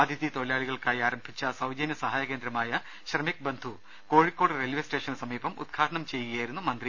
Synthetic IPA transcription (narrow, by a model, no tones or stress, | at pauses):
d̪ʱiðit̪o̞ɭjaːɭiɣɐɭkaːjiaːɾɐmbʱit͡ɕːɐsɐwd͡ʑɐnjɐsɐɦaːjɐke̞ːnd̪ɾɐmaːjɐ | ɕrɐmik̚bend̪ʱu | ko̞ːɻikːoːɽɨrelʋesʈe̞ːʂɐnsɐmiːbɐmṵd̪̚ɡʰaːʈɐɳɐmt͡ɕe̞juɣɐjaːjiɾunːumɐnd̪ri